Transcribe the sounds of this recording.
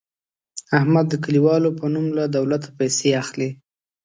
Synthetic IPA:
ahmad̪ːəkaliwɑlopənumlad̪awlat̪ḁpajseaxle

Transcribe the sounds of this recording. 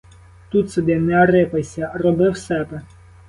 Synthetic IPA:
t̪ut̪sɛd̪ɪnɛɐɾɪpesʲɐrɔbɪwsɛbɛ

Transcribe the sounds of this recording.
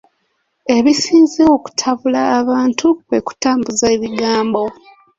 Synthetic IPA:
e̞βisiːnzeoku̥tʰaβulaːβaːntʰuβeku̥taːmbuzaeβiɡaːmbo̞

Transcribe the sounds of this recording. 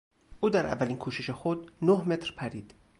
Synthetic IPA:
ʔuːd̪æɾʔæ̰vːæliːnkʰuːʃeʃexod̪nohme̞t̪ʰɾpʰæɾiːd̪̥

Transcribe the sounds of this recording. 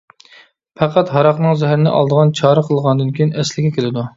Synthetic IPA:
pʰæqʰæt̪ɦɑɾɑqnɨŋzɛɦæɾɪnɪ̰ʔɑ̰lˠd̪əʁɑnt͡ʃʰɑːɾəqʰəlˠʁɑnd̪ɨnkʲʰijinɛslɪɡʲɛkʲʰelɪd̪u

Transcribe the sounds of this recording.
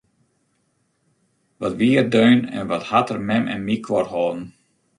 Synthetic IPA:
ʋɔtʋiərdøːnɛ̰nʋɔthatərmɛmʔɛ̰nmikʰʋɔrɦɔːn̩

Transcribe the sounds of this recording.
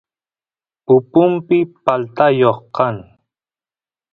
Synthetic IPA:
pʊpʊmpɪpalt̪ajoχqɑŋ

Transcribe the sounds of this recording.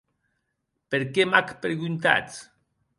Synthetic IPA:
peɾkemakpɾeɣunt̪a̰t̪

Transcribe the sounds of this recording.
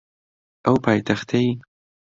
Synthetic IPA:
awpɑjt̪axt̪aj

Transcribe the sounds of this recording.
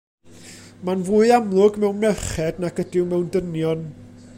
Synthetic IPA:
manvuːɨamlˠʊɡmɛwnmɛχɛdnaɡ̥ədɪwmɛwndənjɔn

